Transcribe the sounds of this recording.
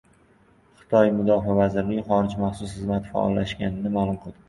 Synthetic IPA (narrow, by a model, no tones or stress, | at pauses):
χɨ̥t̪ʰɒjmʊd̪ɒfavazɪɾlɪɡʲχɒɾɪd͡ʒmaχsʊsχɨzmat̪fa̰ʔɒ̰lˠːaʃɡʲanɪnɪmalˠʊmqʰɨlˠd̪ɪ